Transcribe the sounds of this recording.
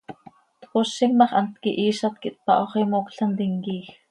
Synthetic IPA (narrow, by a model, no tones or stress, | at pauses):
t̪koʃːiŋmɑχant̪kiʔiːʃat̪̚kiʔt̪̚pɑ̰ʔoχimoːkɬant̪iŋkiːx